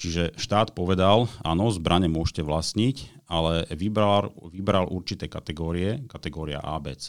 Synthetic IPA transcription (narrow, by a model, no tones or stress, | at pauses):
t͡ʃiʒɛʃt̪aːt̪pɔʋɛd̪ala̰ːnɔzbɾʔaɲɛmʊɔʃcɛʋlasɲicalɛʋibaʋibɾalʔṵɾt͡ʃit̪ɛːkat̪ɛɡɔːɾiɛkat̪ɛɡɔːɾia̰ʔaːbɛ̰t͡s